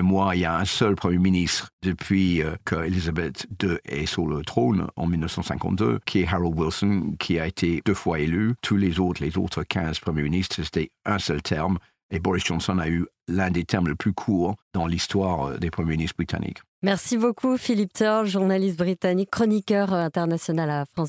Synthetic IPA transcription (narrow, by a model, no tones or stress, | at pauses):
mwailjaɛ̃sœlpχəmjeminist̪χd̪̥əpʰɥikʰəelizabɛt̪d̪øʔɛ̰syʁlət̪χonɑ̰̃milnəfsɑ̃sɛ̃kɑ̰̃t̪̚d̪ø̰kʲʰiɛɦaʁald̪wilsɔnkʲʰiaet̪ʰed̥øfwaelyt̪ʰulezot̪χlezo̰t̪χəkʰɛ̃z̥pχəmjeminist̪χset̪ɛə̃sœlt̪ʰɛʁm | ebɔʁisʒ̥ɑ̃nsɔnay | lɛ̃d̪et̪ʰɛʁmleplykʰuːʁd̪̥ɑ̃list̪waːʁd̪epχəmjeminist̪bʁit̪a̰nʔḭk | mɛʁsibokʰufilip̚t̪ɔləʒuʁnalist̪̚bʁit̪anikkːχɔnikʲœʁɛ̃t̪ɛʁnasjɔnalafχɑ̃s